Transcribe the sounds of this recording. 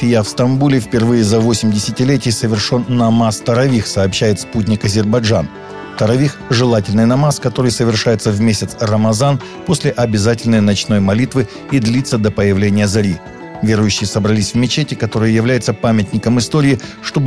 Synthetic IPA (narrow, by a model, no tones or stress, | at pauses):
ɪjafst̪ɐmbulʲɪfpʲɪrvɨjəzɐvo̞sʲɪmʲdʲɪsʲɪtʲɪlʲetʲɪjsəvʲɪrʂo̞nːɐmast̪əɾɐvʲixsɐːpɕːæjɪt̪sput̬̚ʲnʲɪkɐzʲɪrbɐʐan | ft̪əɾɐvʲixʐɨlˠatʲɪlʲnɨjnɐmaskɐt̪o̞ɾɨjsəvʲɪrʂajɪt̪səvmʲesʲɪt̪srəmɐzan | po̞sʲlʲɪʔɐbʲɪzatʲɪlʲnəjnɐt͡ɕno̞jmɐlʲit̪vɨ | id̪lʲit̪sːəd̪əpəjɪvlʲenʲɪjəzɐɾʲi | vʲe̞ɾʊjʉɕːɪjəsəbɾɐlʲisʲvmʲɪt͡ɕetʲɪkɐt̪o̞ɾɨjəjɪvlʲæjɪt̪səpamʲɪt̪ʲnʲɪkəmɨst̪o̞ɾʲɪːʂt̪o̞bɨ